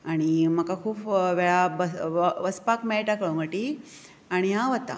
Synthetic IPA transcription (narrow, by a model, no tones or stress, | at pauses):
aɽ̃im̤əkakʰuːpʋeɭabəʋəspakmɛɭjʈakəɭuŋɡəʈi | aɽ̃iɦãʋət̪ːa̰